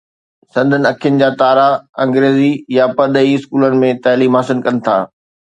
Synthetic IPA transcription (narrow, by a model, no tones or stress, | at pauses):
sɐ̃nd̪ʱənɪ̆ɐkʰijʊnɪ̆d͡ʑaːt̪aːɾaɐ̃ŋɡɾeːzijapɐɾɗ̪əiɪskuːlənɪ̆mẽt̪aːliːmaːsɪnkɐnɪ̆t̪ʰa̰ː